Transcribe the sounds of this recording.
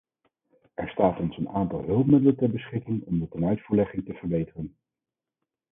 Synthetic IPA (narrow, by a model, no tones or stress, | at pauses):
ɛɹstaːtɔnsənaːntɑ̰lˠɦɵlˠpmɪdələntɛɹbəsχɪkɪŋɔmdətɛnœɥtfuːɹlɛχɪŋtəv̥əɹbejtərən